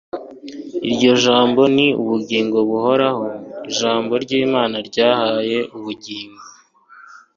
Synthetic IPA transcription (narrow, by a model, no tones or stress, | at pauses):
iɾɟo̞ʒaːmbo̞niṵβuɟiːŋɡo̞βuho̞ɾaho̞iʒaːmbo̞ɾɟiːmaːnaɾɟaːhaje̞ʔuβuɟiːŋɡo